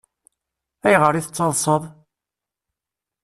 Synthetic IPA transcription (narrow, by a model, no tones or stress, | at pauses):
æjʁəɾiθət͡sːɑlˤsˤəðˤ